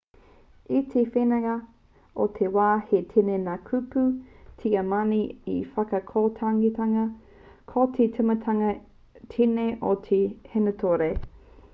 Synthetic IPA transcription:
it̪ʰefenɐŋɐ | ot̪ʰewaːhetʰenenaːkʰuputʰiɐmaniḭfɐkɐkʰoːtʰaŋitʰɐŋɐ | kʰotʰetʰɨmɐaŋɐ | tʰineʔotʰehenɐt̪ʰoɾe

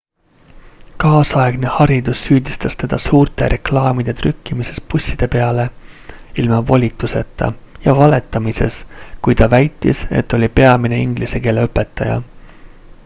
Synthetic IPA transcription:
kɑːsɑeɡ̥ne̞hɑɾid̪usːyːd̪ʲist̪ɑst̪e̞d̪̥ɑsuːrt̪eɾʔe̞klɑːmid̪̥e̞t̪rykːimise̞spusʲːid̪̥e̞pe̞ɑle̞ | ilmɑvo̞lʲit̪ːˑuse̞t̪ːˑɑ̰jɑvɑle̞t̪ːˑɑmise̞̰skujt̪ɑvæjt̪ːˑḭse̞̰t̪ˑːo̞lʲipe̞ɑmine̞iŋɡlise̞ke̞ːleɤpːˑe̞t̪ːˑɑjɑ̰

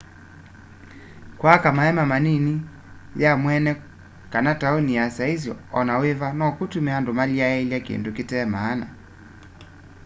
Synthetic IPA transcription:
kwakamaɛmamanini | jamwɛnɛ | kanatauniasaizjɔ̰ɔnawevanɔkutumɛandomaliaɛiljakiḭndukitɛːmaːna̰

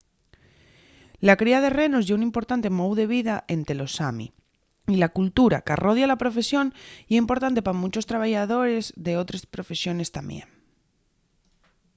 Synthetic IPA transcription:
lakɾiað̞e̞re̞no̞zʝeunĩmpo̞ɾt̪ant̪e̞mowðe̞β̞iðaʔe̞nt̪elo̞samḭ | ilakult̪uɾa̰ka̰rʔo̞ðjalapɾofe̞sjo̞nieimpo̞ɾt̪ant̪̬e̞pamut͡ʃo̞st̪ɾaβajað̞o̞ɾe̞zðe̞o̞t̪ɾespɾo̞fe̞sjo̞ne̞st̪ambjḛn

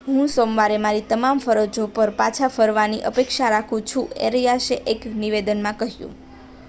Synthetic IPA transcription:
ɦũsomʋaɾemaɾit̪əmamfəɾod͡ʒopəɾpat͡ʃʰafəɾʋaniʔəpekʃaɾakʰũt͡ʃʰũḛɾijaʃeʔekniʋed̪ənmãkəɦjṵ̃

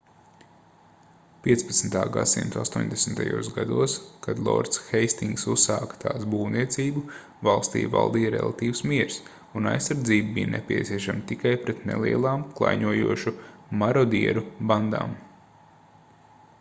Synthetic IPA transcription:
pʲiɛspɐ̥t̪snt̪aːɡa̰sḭmt̪uast̪uɔːɲʲd̪esn̩t̪a̰jṵːsɡad̪uɔskad̪lˠɔ̰ɾt̪sxɛjst̪iŋɡsusːaːkt̪ʰaːsbuːwniɛt̪siːbu | valˠst̪ḭːva̰lˠd̪iːɾɛ̰lˠat̪iːʋwsmiɛɾs | una̰jsːaɾd̪ziːbbijnʔɛ̰pʲiɛt̪siɛʃamt̪ikajpɾɛt̪nɛ̰lˠiɛlˠaːmklˠa̰jɲuɔjṵɔʃumaɾɔd̪iɛɾuband̪a̰ːm

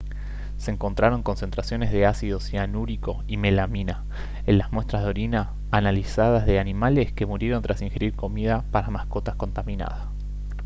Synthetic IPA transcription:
seːŋko̞nt̪ɾaɾo̞ŋko̞nse̞nt̪ɾasjo̞ne̞zðe̞asiðo̞sianuɾiko̞ime̞lamina | enlazmwe̞st̪ɾaɦðo̞ɾinaː | nalisað̞azðe̞animaleske̞muɾje̞ɾo̞nt̪ɾasiŋxe̞ɾiɾko̞miðapaɾamasko̞t̪asko̞nt̪amina̰ða

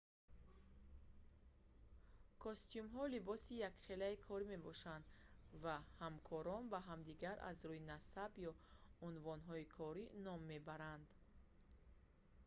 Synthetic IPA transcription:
kʰɔst̪ijumɦɔlibɔsijakχelaikʰɔɾime̞bɔʃand̪vahamkʰɔɾɔnbaɦamd̪iɡaɾʔa̰zɾuinasabjɔunvɔnɦɔikʰɔɾinɔmːe̞baɾand̪

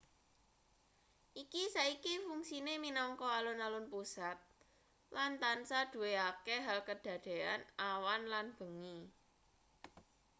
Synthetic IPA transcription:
ʔikisaikifuŋsineminɔŋkɔalʊnalʊnpusat̪̚ | lant̪ansaɖ̪̥ṳweakeɦalkəɖ̥ä̤d̪̥e̤anawanlanb̥ə̤ŋi

